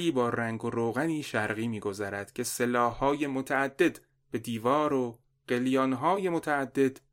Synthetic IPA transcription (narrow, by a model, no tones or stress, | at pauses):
iːbɒːræŋɡoɾoːɣæniːʃæɾɣiːmiːɡo̞zæɾæd̪̥cʰe̞se̞lɒːhːɒːje̞mot̪ʰæːd̪ːe̞d̪ | b̥e̞d̪iːvɒːɾo | ɢ̥e̞ljɒːnɦɒːje̞mot̪ʰæːd̪ːe̞d̪̥